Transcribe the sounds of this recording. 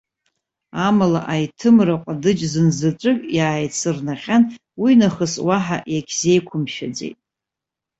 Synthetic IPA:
amala̰ʔajtʰɨmraqʷʼadɨd͡ʒzɨnzaʈ͡ʂʷʼɨkʲʼjaːjt͡sʰɨrnaχʲan | winaχəswaħa̰jakʲʰze̞jkʷʰʊmʃa̰d͡zḛjtʼ

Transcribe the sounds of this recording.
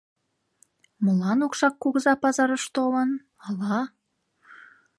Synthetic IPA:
məlɑnokʃɑkːuɣəzɑpɑzɑɾəʃt̪olən | ɑlɑ

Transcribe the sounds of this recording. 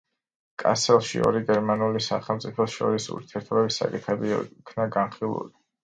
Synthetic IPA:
kʼa̰sɛlˠʃḭɔ̰ɾiɡɛɾmanulisaχɛlˠmt̪sʼipʰɔsʃɔ̰ɾisṵɾt̪ʰiɛɾt̪ʰɔbɛbisa̰kʼit̪χɛbikʰnaɡanχilˠṵli

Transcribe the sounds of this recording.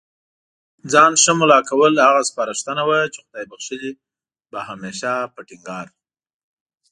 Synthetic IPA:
d͡zɑnʃəmʊlɑkawəlhaɣaspɑɾəʂt̪ənawat͡ʃexʊd̪ɑjbaxʃəli | baɦameʃapəʈɪŋɡɑɾ

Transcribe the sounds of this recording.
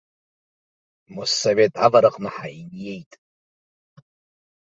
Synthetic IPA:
musavetʼa̰vaɾɨqʼnaħainjejtʼ

